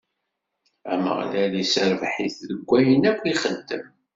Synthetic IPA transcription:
æ̰mə̰ʁlælisəɾvħiθləɡʷːæjənækʷːiχənt̪ːəm

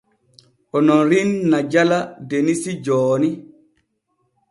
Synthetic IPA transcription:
ʔɔnɔnɾinːad͡ʒaladenisid͡ʒɔːni

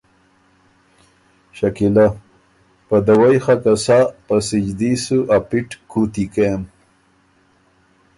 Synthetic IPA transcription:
ɕakila | pad̪awajxakasapasid͡ʒd̪isuʔapiʈkut̪ikem

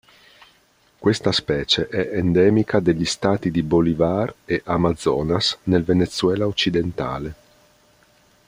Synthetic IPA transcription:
kwest̪aspɛːt͡ʃeʔɛʔend̪ɛːmikʰad̪eʎːist̪aːt̪id̪ibolivareʔamad̪zːɔːnasnelvenet̪sːuwɛːlaot͡ʃːid̪ent̪a̰ːle

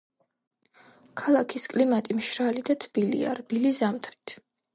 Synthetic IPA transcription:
kʰalˠakʰiskʼlimat̪ʼimʃɾalid̪at̪ʰb̥ilḭa̰ɾbilizamt̪ʰɾi̥t̪ʰ

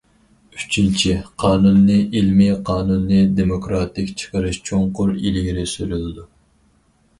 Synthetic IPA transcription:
yt͡ʃʰint͡ʃʰiqʰɑːnunːɨʔilmiqʰɑːnunːɨd̪emokɾɑt̪ɪkʲt͡ʃʰə̥qʰəɾɨʃt͡ʃʰoŋqʊɾḭlɪɡʲiɾɪsyɾylɪd̪u

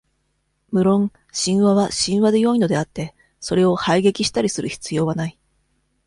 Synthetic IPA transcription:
mɯ̟ɾõ̞ŋ | ɕĩɰ̃βaβaɕĩɰ̃βad̪e̞jo̞ino̞d̪e̞at̪ːe̞ | so̞ɾe̞o̞haiɡe̞kʲiɕi̥t̪aɾʲisɨɾɯ̟çi̥t͡sɨjo̞ːβanai

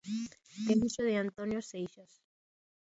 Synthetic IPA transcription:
t̪emusoðeant̪onjosejʃas

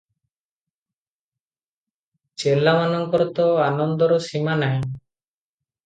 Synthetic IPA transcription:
t͡ʃɛlamanɔŋkɔɾɔt̪ɔanɔnd̪ɔɾɔsimanaɦɛ

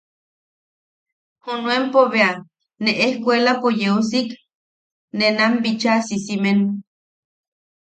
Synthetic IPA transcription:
hunwempoβea | neʔehkʷelapojeusik | nenambit͡ʃasisimen

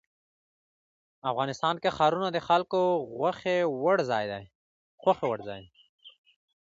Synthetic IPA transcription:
afɣɑnɪst̪ɑːnkexɑɾunad̪əxalkoɣaxewaɽzɑjd̪aj | xwaxewaɽzɑ̰ːj

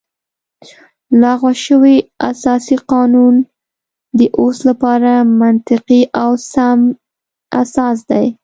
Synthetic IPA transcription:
lɑɣwaʃəwia̰sɑsiqɑnun | d̪əʔoslapɑɾamant̪ɪqiʔawsam | a̰sɑs̬d̪aj

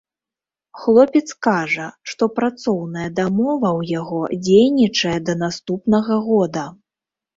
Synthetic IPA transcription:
xlˠɔpʲɛt̪skaʐɐʂt̪ɔpɾat̪sɔwnɐjɐd̪amɔvɐwjaɣɔd͡zʲejnʲit͡ʂɐjɛd̪ɐnast̪upnɐɣɐɣɔd̪ɐ

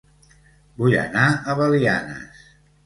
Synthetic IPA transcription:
bujə̰naəβəlianə̰s

